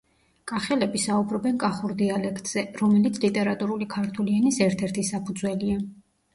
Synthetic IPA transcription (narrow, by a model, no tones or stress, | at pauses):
kʼaχɛlɛbisaubɾɔbɛnkʼaχuɾd̪ialɛkʰt̪ʼz̥ɛɾɔmɛlit̪sʰlit̪ʼɛɾat̪ʼuɾulikʰaɾt̪ʰulianisɛɾt̪ʰɛɾt̪ʰisapʰud̪zwɛlia